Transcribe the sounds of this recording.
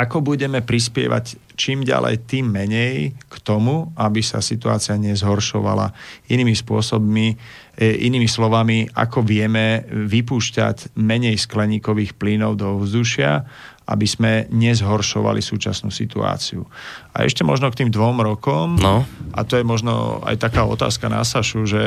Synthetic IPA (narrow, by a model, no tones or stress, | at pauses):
ʔakɔbuɟɛmɛpɾis̬pɪɛ̰ʋa̰c | t͡ʃiːmɟa̰lɛ̰jt̪iːmːɛɲɛjkt̪ɔmuabisa̰sit̪ua̰ːt͡sɪaɲɛzɦɔɾʃɔʋa̰la̰iniːmispʊɔsɔbmi | ʔḭniːmislɔʋamia̰kɔʋɪɛmɛʋipuːʃca̰cmɛɲɛjsklɛɲiːkɔʋiːxpliːnɔʊd̪ɔɔvzd̪uʃɪa̰ | ʔa̰biz̥mɛɲɛzɦɔɾʃɔʋa̰lisuːt͡ʃasnuːsit̪ua̰ːt͡siua̰ɛ̰ʃcɛmɔʒnɔkt̪iːmd̪ʋɔmɾɔkɔmnʔa̰t̪ɔjɛmɔʒnɔ̰a̰jt̪akaːɔ̰t̪a̰ːskana̰saʃuʒɛ